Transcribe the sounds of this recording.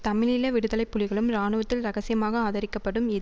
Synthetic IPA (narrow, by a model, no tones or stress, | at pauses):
t̪ɐmɪlɪlɐʋɪɽɯðɐlɐɪpːʊlɪɣɐɭɯmɾaːɳɯʋɐt̪ːɪlɾɐɣɐsɪjɐmaːɣɐaːðɐɾɪkːɐpːɐɽɯmɪð